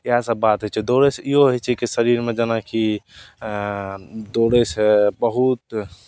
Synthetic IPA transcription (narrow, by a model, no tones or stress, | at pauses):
jasəbat̪ɦot͡ʃʰɛd̪oɽesioɦɔt͡ʃʰɛkisəɾiɾmẽd͡ʒanaki | d̪oːɽesebəɦut̪̚